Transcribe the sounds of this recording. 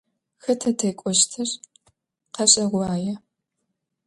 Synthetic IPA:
xɐtʰɐtʰejkʷʼɔʃtʰɐr | qɐɕʼɐʁʷʊaːjɛ

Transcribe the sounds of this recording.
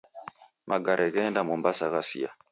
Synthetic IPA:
mʔaɡaɾʔɛɣɛndamombasaɣasḭa̰

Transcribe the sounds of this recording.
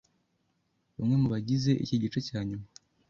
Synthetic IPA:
βamŋe̞muβaɟize̞ʔḭciɟit͡ʃecaːɲuma

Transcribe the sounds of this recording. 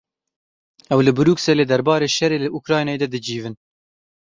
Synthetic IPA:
ɛwlɨbɨɾuːkseleːd̪ɛɾbɑːɾeːʃɛɾeːlɨʔukɾɑːjnɑːjed̪ɛd̪ɨd͡ʒiːvɨn

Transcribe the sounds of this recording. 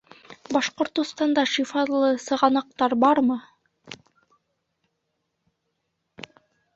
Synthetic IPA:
bɑʃqŏɾt̪ŏst̪ɑnd̪ɑʃifɑlˠɤsɤ̆ʁɑnɑq̚t̪ɑɾbɑɾmɤ

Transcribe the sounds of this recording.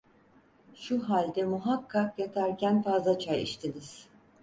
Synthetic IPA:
ʃuɦalʲd̪ɛmuɦakʰːakjat̪ʰæɾcʰænfazlˠat͡ʃʰajḭʃt̪ʰiniz̥

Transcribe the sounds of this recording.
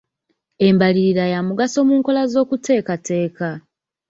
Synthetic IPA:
e̞mbaliɾiɾajamuɡaso̞muːŋko̞lazo̞ːkute̞ːkatʰe̞ːka

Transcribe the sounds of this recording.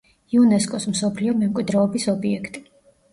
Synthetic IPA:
iunɛskʼɔsmsɔpʰliɔmɛmkʼwid̪ɾɔːbisɔbiɛkʰt̪ʼi̥

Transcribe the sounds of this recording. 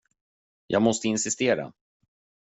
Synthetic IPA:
jʔɑ̰ːɡmɔst̪əɪnsɪst̪eːɾa̰

